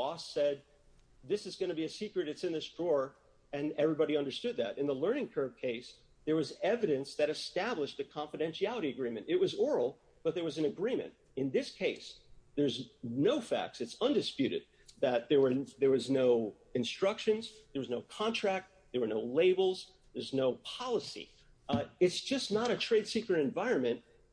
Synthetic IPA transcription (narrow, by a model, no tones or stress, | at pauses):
ɔsɛd̪̚ | ðɪsɨzɡʌñɨbiɨsikɹɨɾɨtsɨ̃nðɪsdɹɔɹ | ɨ̃nɛvɹibɑɾiʌ̃ndə˞stʊd̪̚ðɨ̰ɾɨ̃nðəlɜ̃˞nɪ̃ŋkʰɜ˞v̥̚kʰeɪs | ðə˞wʌzɛvɨɾɨ̃nsðɨɾɨstæbləʃðɨkʰɑ̃ɱfɨɾɛ̃nʃiælˠəɾiɨɡɹĩmɨ̃ntɨt̚wʌzɔɹl̩ˠ | b̥ʌt̪̚ðə˞wʌzɨ̃nɨɡɹĩmɨ̰̃nt | ɨ̃nðɪskʰeɪsðə˞znoʊfæ̰k̚tsɨtsʌ̃ndɨspjʉɾɨ̰d̪̚ | ðɨt̪̚ðə˞wə˞ðə˞wʌznoʊ | ɨ̃nstɹ̥ʌkʃɨ̃nzðə˞wʌznoʊkʰɑ̃ntʰɹ̥æk̚t̪̚ | ðə˞wə˞noʊleɪbl̩ˠz | ðə˞znoʊpʰɑlˠəsḭ | ɨtsd̥ʒ̥ʌsnəɾɨtʰɹ̥eɪd̥sikɹɨɾɨ̃ɱvaɪɹɨ̃nmɨ̃nt̚